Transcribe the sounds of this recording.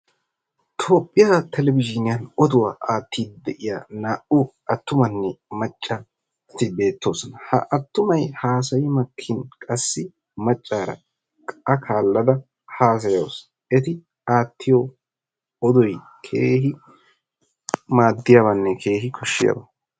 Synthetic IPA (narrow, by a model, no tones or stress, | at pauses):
t̪ʰo̞ːpʼːɪjat̪ʰɛlɛvɪd͡ʒɪnɪjɐnɔd̪ʊwa̰ːʔaːt̪ːiːd̪̚d̪ɛʔɪjaːnaːʔʊʔɐt̪ːʊmɐnːɛmɐt͡ʃʼːɐ | t̪ɪbe̞ːt̪ːo̞ːsɔnɐhɐ̰ʔɐt̪ːʊmɐjhaːs̬ɐjɪmɐkʰːɪnkʼɐsːɪ | mɐt͡ʃʼːaːɾɐ̰ | kʼɐkʰaːlːɐd̪ɐ | haːs̬ɐjo̰ːs | ʔɛt̪ɪ | aːt̪ːɪjo | ɔd̪ɔj | kʰeːɦɪ | maːd̪ːɪjaβɐnːɛkʰe̞ːhɪkʰɔʃːɪjɐ̰bɐ̰